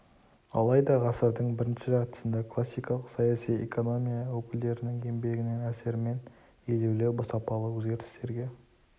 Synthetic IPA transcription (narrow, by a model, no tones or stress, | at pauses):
ɑlˠɑjd̪ɑʁɑsəɾd̪əɴbɪɾɪnʃɪʒɑʁt̪ə̥sənd̪ekʰlˠasːijkɑlˠəqsɑjasijḛko̞no̞mʲijawɵkʲɪld̪e̞ɾɪnɪŋe̞mbe̞ɡʲɪne̞næse̞ɾɪme̞n | ele̞wlewbəsɑpɑlˠəwɵzɡʲe̞ɾt̪ɪ̥st̪e̞ɾɡʲe̞